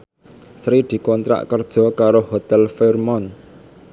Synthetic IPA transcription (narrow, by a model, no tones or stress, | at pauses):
sɾid̪̥i̤kɔnt̪ɾa̰ʔkərd̥ʒ̥ɔ̤kaɾohot̪ɛlfɛrmɔn